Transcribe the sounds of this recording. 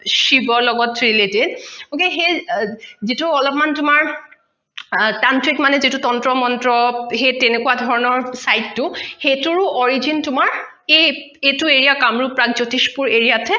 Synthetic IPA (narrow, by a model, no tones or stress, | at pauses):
ʃibɔlɔɡɔtɹiletedokeɦe | zituɔlɔpmantʊmaɹ | tantʰikmanɛzitutɔntɹɔmɔntɹɔɦetenekuwadʱɔɹɔnɔɹsajdːʊhetuɹʊʔɔɹizintʊmaɹ | e | etueɹijakamɹupɹakzotispuɹeɹijatʰɛ